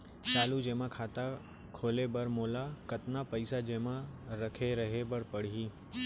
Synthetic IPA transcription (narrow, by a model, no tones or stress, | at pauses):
t͡ʃaːlud͡ʒẽːmãkʰaːt̪a | kʰoːlebɐɾmoːlakɐt̪napɐɪsad͡ʒeːmãɾɐkʰeɾɐɦebəɾpəɽ̤ɦiː